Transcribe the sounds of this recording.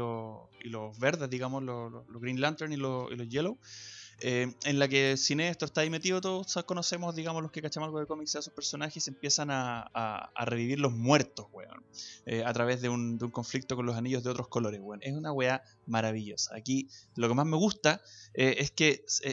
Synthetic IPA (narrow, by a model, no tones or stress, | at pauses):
oilozβeɾðeðiɣamoslololoɣɾinlant̪eɾnilosḭlozʝelow | eenlakesinest̪ɾost̪aðimet̪iðot̪̬oðosakonose̞mozðiɣamoslohkekat͡ʃamalɣoðeko̞mikseeso̥hpeɾso̞naxese̞mpje̞sanaa̰a̰re̞βiβiɾlo̞zmwe̞ɾt̪o̞zwḛo̰neat̪ɾaβe̞zðeund̪euŋko̞ɱflik̚t̪okonlosaniʝoðeo̞t̪ɾohko̞lo̞ɾezwenʔesunaɣwea | maɾaβiʝo̞saːkilo̞kemazme̞ɣust̪aeeske